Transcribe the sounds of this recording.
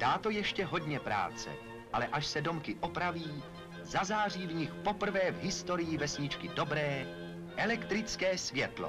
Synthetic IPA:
d̥aːt̪ojɛʃcɛɦo̞dɲɛpɾa̰ːt͡sɛ̰ | ʔalɛʔaʃsɛdo̞mkɪʔo̞pɾaviː | zazaːr̝iːvɲɪxpopr̩vɛːvɦɪst̪o̞ɾɪjɪvɛsɲɪt͡ʃkɪdo̞bɾɛː | ʔɛlɛkt̪ɾɪt͡skɛːsvjɛt̪lo̰

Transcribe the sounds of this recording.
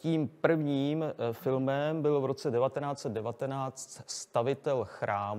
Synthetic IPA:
ciːmpr̩vɲiːmfɪlmɛmbɪlvɾo̞t͡sɛdɛvat̪ɛnaːt͡sɛd̪̚dɛvat̪ɛnaːt͡st̪st̪avɪt̪ɛlxɾʔaːm

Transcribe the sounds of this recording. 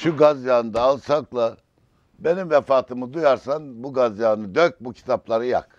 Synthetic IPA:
ʃuɡazjaːnd̪aːlˠsaklˠa | be̞nimvɛfaːt̪ʰɯmɯd̪ujaɾsanbuɡazjaːnɯd̪øk̚bucʰi̥t̪ʰaplˠaɾɯja̰k

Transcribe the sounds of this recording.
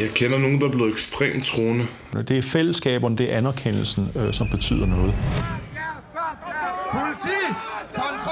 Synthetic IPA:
jɑ̈ɪkʰenɐno̝ːn̩d̥ɑb̥le̝ð̩ˠeɡ̥sd̥ʁḛːmt͡sʰʁo̝ːnə | d̥e̝æɐfel̰əsɡ̥ɛ̰ːb̥ɐnəd̥e̝æɐʔænɐkʰen̰l̩sn̩sɒ̽mb̥e̝t͡sʰy̰ːð̞̰ˠɐnɔ̽ːð̞̩ˠ

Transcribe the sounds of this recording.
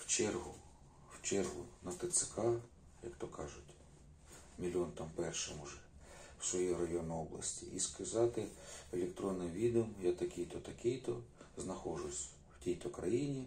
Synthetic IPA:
wt͡ʃɛrɦʊ | wt͡ʃɛrɦʊnɐft̪ɐt̪sɪ̥kɑ | jɐ̰kt̪ɔkɑʒʊtʲ | mʲilʲɔnt̪ɑmpɛrʃɪmʊʒɛwsʋɔjijɾɐjɔnʊɔblˠɐ̰sʲtʲḭʔḭskɐzɑt̪ɪelʲekt̪ɾɔnːɪjʋʲid̪eɔmjat̪ɐkʲɪjt̪ɔt̪ɐkʲijt̪ɔznɐxɔʒʊsʲ | wtʲijt̪ɔkɾɐ̰jinʲi

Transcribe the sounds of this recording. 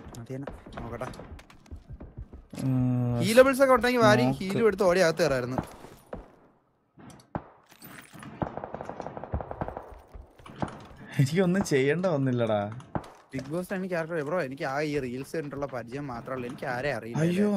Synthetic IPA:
ɐt̪ienaoːkːɐʈːa | hiːlɐbels̬ɐkːɐuɳʈːeŋɡilʋaːɾijhiːlueɽut̪ːɨoːɽiaːɣɐt̪̬ːɨeraːjiɾunːu | enikʲːo̞nːɨt͡ɕejːɐɳɖɐʋɐnːilːɐɽaːɖik̚boːsenikʲːaːɾɐkʈːɐepːroenikʲːɨaːiːrijɐlseɾuɳʈːuɭːɐpɐɾit͡ɕɐjɐmːaːt̪rɐmɐɭːe̞nikʲːɨaːɾeɐrijuɐjːoː

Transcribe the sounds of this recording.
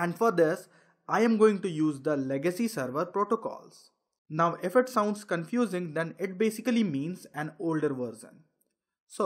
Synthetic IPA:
ɛ̃ɳɖfɔɾd̪ɪs | ʔaɪɛ̃mɡoːɪ̃ŋʈujuːzd̪əleɡəsisəɾʋəɾpɾoːʈokɔ̰ːls | naʊʔefəʈsãʊ̃ɳɖskə̃nfjuːzɪ̃ŋd̪ɛ̃nɪʈ̚beːsɪkəlimĩːnsæ̃noːlɖəɾʋəɾzə̰̃n | so

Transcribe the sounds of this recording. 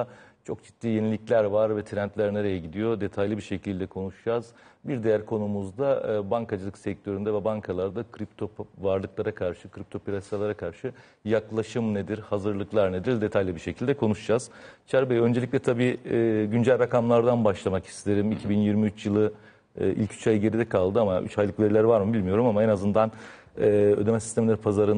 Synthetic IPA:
t͡ʃʰo̞kd͡ʒit̪ːiːje̞nilʲiclʲæɾvaɾvɛt̪ʰiɾænt̪lʲæɾneɾajɛɟid̪ijo̞d̪e̞t̪ʰajlʲˠɯbiɾʃe̞cʰilʲd̪ɛkʰo̞nuʃud͡ʒaːz̥biɾd̪e̞jæɾkʰo̞numuzd̪abaŋkʰad͡ʒɯlˠɯksɛc̚t̪ʰø̞ɾynd̪ɛvɛbaŋkʰalˠaɾd̪akʰɾip̚t̪ʰo̞pvaɾlˠɯklˠaɾakʰaɾʃɯkʰɾip̚t̪ʰo̞pʰiɾasit̪alˠaɾakʰaɾʃɯ | jaklˠaʃɯmned̪iɾhazɯɾlˠɯklˠaɾne̞d̪iɾd̪e̞t̪ʰajlʲibiɾʃe̞cʰilʲd̪ɛkʰo̞nuʃd͡ʒaz̥t͡ʃʰæɾbejø̞nd͡ʒe̞lʲicʲlʲɛt̪ʰabiːɟynd͡ʒælʲɾakamlˠaɾd̪anbaʃlˠamaki̥st̪ʰe̞ɾimicʰibinjiɾmiyt͡ʃjɯlˠɯ̰ | ʔḭlʲcʰy̥t͡ʃʰajɟe̞ɾid̪ɛkʰalˠd̪ɯamaʔy̰t͡ʃhajlˠɯkve̞ɾilʲæɾvaɾmɯbilʲmijo̞ɾumamaenazɯnd̪anː | ød̪e̞mɛsist̪ʰemlʲæɾipʰazaɾɯn

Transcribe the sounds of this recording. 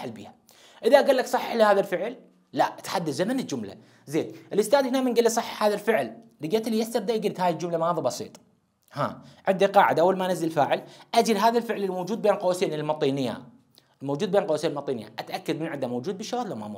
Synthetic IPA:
ħalbḭːha | ʔɪðaʔɡalːaksˤɑħːɪħlihaːðalfɪʕl | lat̪ħad̪ːad̪zamanɪd͡ʒʊmla̰ | zeːnʔɪlʔʊst̪aːd̪hɪnamɪnɡalːisˤɑħːɑ̥ħhaːðalfɪʕlːiɡeːt̪lijast̪abd̪aʔɡɪlt̪haːjild͡ʒʊmlamaaːðibɑsḭːt̪ˤ | ha̰ːʕɪnd̪iqɑːʕɪd̪aʔawːalmanɪzːɪlfaːʕɪlʔad͡ʒiɾɦaːðalfɪʕlɪlmowd͡ʒuːd̪̚beːnlqɑwasiːnɪlmɑt̪ˤiːnɪjːa̰ | lmowd͡ʒuːd̪̚beːnlqɑwasiːnɪlmɑt̪ˤiːnɪjːa̰ʔat̪ʔakːad̪mɪnʕɪd̪amowd͡ʒuːd̪̚bɪʃːawaːt̪lama̰mṵ

